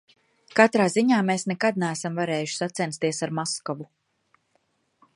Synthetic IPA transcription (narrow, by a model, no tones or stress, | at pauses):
kat̪ɾaːziɲaːmeːsnɛkad̪̚næːsamvaɾeɛːjuʃsat̪sɛnst̪iɛsaɾmɔskɔvu